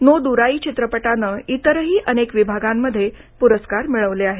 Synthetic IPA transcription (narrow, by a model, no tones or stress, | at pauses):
nod̪uɾaiːt͡ɕit̪ɾəpəʈanəit̪əɾɦiːʔənekʋibʱaɡamːəd̪ʱːje | puɾəskaɾmiɭəʋleaɦe